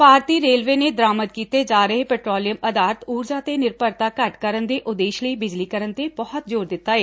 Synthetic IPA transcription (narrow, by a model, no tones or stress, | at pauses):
paːɾt̪iːɾeːlʋeːneːd̪əɾaːmət̪̚kiːt̪eːd͡ʒaːɾəɦepɛːʈɾoːlijəməd̪aːɾət̪uːɾd͡ʒaːt̪eːnɪɾpəɾt̪aːkəʈkəɾənd̪eːʔʊd̪eːʃləiːbɪd͡ʒliːkəɾənt̪ebɔːɔt̪̚d͡ʒoːɾd̪ɪt̪ːaːeː